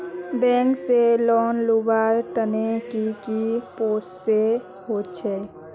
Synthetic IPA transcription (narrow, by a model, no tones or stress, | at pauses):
bɛ̃ːŋkselɔːnlubaɾʈənekikipoːsse | hot͡ʃʰɛː